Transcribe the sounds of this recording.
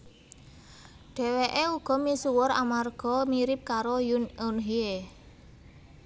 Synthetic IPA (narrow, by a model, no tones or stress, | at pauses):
ɖ̥ɛ̤weʔeuɡ̥ɔ̤misuwʊɾa̰marɡ̥ɔ̤miɾɪp̚kaɾojununɦie